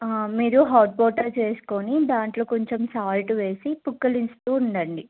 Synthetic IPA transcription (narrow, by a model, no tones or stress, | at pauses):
miːɾuɦaːɾʈ̚pɔːɾʈɐɾt͡ʃe̞ːsu̥konid̪aːɳʈloːkoɲt͡ʃemsaːlʈʋe̞ːsipukːɐlinst̪uːuɳɖɐɳɖi